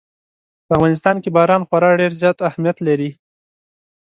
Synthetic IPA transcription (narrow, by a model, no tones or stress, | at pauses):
pəavwanɪs̬t̪ɑnkebɑɾɑnxwaɾɑɖeɾzjɑt̪ahmijat̪laɾi